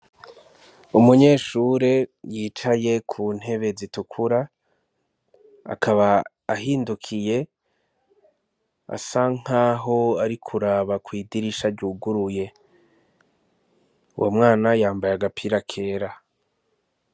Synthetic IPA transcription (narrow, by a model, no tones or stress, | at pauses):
umuɲe̞ːʃuɾe̞jiːt͡ʃaje̞kʰuːn̥he̞βe̞zitukʰuɾa | a̰kʰaβaː | hiːndukʰije̞ | a̰saŋ̥haːɦo̞aɾikʰuɾaːβakwiːdiɾiʃaɾɟuːɡuɾuje̞ | ṵwʔo̰mŋaːnajaːmbajaɡapʰiːɾakʰe̞ːɾa